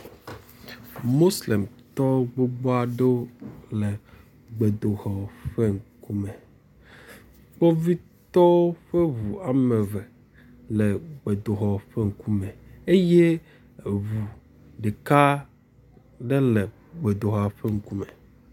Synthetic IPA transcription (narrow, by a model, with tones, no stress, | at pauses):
mo˦sle˨mt̪ɔ˦ɡ͡bo˦ɡ͡bo˦a˨ɖe˦o˦lɛ˨ | ɡ͡be˨d̪o˨xɔ˨ɸɛ˦ŋ̩˦ku˦mɛ˨ | k͡pɔ˦vi˦ | t̪ɔ˦ɸɛ˦vu˨a˨mɛ˨vɛ˨ | lɛ˨ɡ͡be˨d̪o˨ɦɔ˨ɸɛ˦ŋ̩˨ku˦mɛ˨e˦je˦˨ | vu˨ | ɖe˨ka˦ | ɖɛ˦lɛ˨ | ɡ͡be˨d̪o˨ɦɔ˨a˨ɸɛ˦ŋ̩˦ku˦mɛ˨